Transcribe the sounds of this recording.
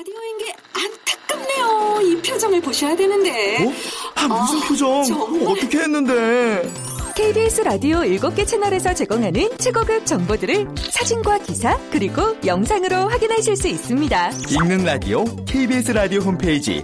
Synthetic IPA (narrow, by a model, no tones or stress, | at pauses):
adioinɡe̞ | ankʰɯ̥k͈ɯmnejoipʰjod͡ʑʌŋɯɭpoɕʰʌjadwenɯnde̞ | hamusʰɯnpʰjud͡ʑʌŋʌt͈ʌkʰe̞ɦenːɯnde̞ | kʰe̞ibiesʰɯɾadioiɭɡop̚k͈e̞t͡ɕʰe̞nʌɾe̞sʰʌt͡ɕe̞ɡʌŋɦanɯnt͡ɕʰeɡʌɡɯk̚t͡ɕ͈ʌŋbodɯɾɯɭsʰad͡ʑinɡwakisʰakɯɾiɡojʌŋsʰaŋɯɾoɸwaɡinɦaɕʰiɭs͈uis͈ɯmɲidaiŋnɯnɾadḭokʰeibiesʰɯɾadioɸompʰeid͡ʑḭ